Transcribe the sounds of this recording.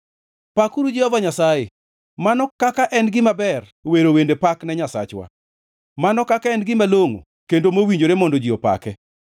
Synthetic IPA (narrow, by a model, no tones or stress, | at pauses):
pakuɾud͡ʒihɔvaɲasaje | manɔkakaʔɛnɡɪmabɛr | weɾowendepaknɛɲasa̰t͡ʃwa̰ | manɔkakaɛnɡɪmaloŋo̰ | kendomowiɲd͡ʒoɾemɔndod͡ʒiɔpa̰kɛ